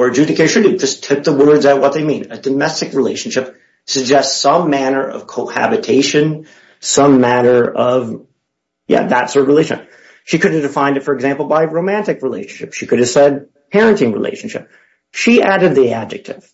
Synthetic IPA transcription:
ə˞d͡ʒʉɾɨkɨ̃nɹʉdɨ̥d͡ʒʌstʰʊk̚ðəwɜ˞dzaʊt̚wʌt̪̚ðeɪmĩnɨdɨmɛstɨkɹileɪʃn̩ʃɪp̚ | sɨɡ̚d͡ʒɛstsʌ̃mːænə˞ʌ̰v̥kʰoʊhæ̰bɨtʰeɪʃɨ̃n | sʌ̃mːæɾə˞ʔʌv | jæ̰ðə̰tsɔɹɾʌvɹileɪʃn̩ʃɪ̰p̚ | ʃikʰʊɾɨvdɨfãɪ̃ndɨtfə˞ɨɡzæ̃mpl̩ˠbaɪɹoʊmæ̃ntɨkɹileɪʃn̩ʃɪpʃikʰʊɾɨv̥sɛd̚ | pʰɛɹɨ̃ntĩŋɹḭlḛɪʃn̩ʃɪ̰p̚ | ʃiʔæɾɨd̪̚ðiæb̚d͡ʒɨk̚tʰɪ̰v̥

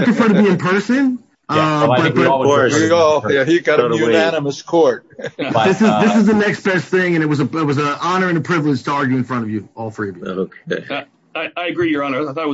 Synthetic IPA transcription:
pʰɹ̥ɨfɜ˞ɾɨbiɨ̃npʰɜ˞sɨ̃n | ʌbʌt̚b̥ʌiɡojæiɡɑɾɨjʉnænɨməskʰɔɹt̚ðɪsɨzðɪsɨzðɨnɛks̚b̥ɛsθɪ̃ŋɨ̃ñɨt̚wʌzəɪt̚wʌzəʔɑnə˞ɨ̃nɨpʰɹ̥ɪvlɨd̥d͡ʒʒ̥tʰəɑɹɡjʉɨ̃nfɹʌ̃ɾ̃ʌvjɨɔlˠθɹiʌvjok | aɪaɪɨɡɹijə˞ɑnə˞aɪθɔɾt̚

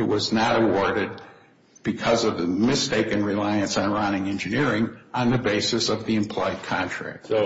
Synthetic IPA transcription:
ɨt̚wʌznəɾəwɔɹɾɨd̚ | b̥ɨkʰʌzʌvðɨmɨsteɪkɨ̃nɹilaɪɨ̃nsn̩ɹʌ̃nɪ̃ŋɛ̃nd͡ʒɨnɪɹɪ̃ŋə̃nðɨbeɪsɨsʌvðiɨ̃mpʰl̥ɔɪd̚kʰãntʰɹ̥æ̰k̚t

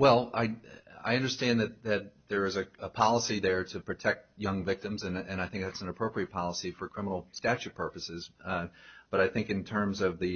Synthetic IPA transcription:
wɛlˠa̰ɪa̰ɪʌ̃ndə˞stæ̃nðɨt̪̚ðɨt̪̚ðə˞ɨzɨəpʰɑlˠəsiðə˞ɾɨpʰɹ̥ɨtʰɛk̚t̚jʌ̃ŋvɪk̚tɨ̃mzɨ̃nɨ̃ñaɪθɪ̃ŋk̚ðætsn̩əpʰɹ̥oʊpʰɹiɨt̚pʰɑlˠəsifə˞kʰɹ̥ɪ̃mənl̩ˠstæt͡ʃʉpʰɜ˞pɨsɪz | b̥ʌɾaɪθɪ̃ŋkɨ̃ntʰɜ̃˞mzʌvðɨ

